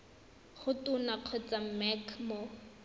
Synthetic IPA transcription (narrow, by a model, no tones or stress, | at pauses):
χʊtʊnaq͡χʰwɛt͡sam̩mɛkʰmo